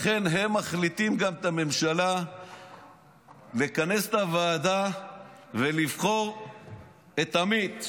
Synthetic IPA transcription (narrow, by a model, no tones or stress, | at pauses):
χe̞nɦemːaχlit̪imɡamet̪ame̞mʃala | lekane̞set̪avaːd̪a | velivχo̞ʁ | et̪amit̪